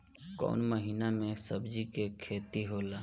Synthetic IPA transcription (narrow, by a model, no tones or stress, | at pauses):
kɔ̰ːnməɦiːnamẽsəbd͡ʒikekʰeːt̪iɦoːlaː